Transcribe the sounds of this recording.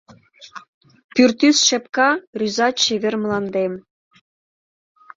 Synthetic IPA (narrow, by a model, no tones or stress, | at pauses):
pyrt̪ysʃɘ̆pkɑryzɑɕeβʲĕrm̆lˠɑnd̪em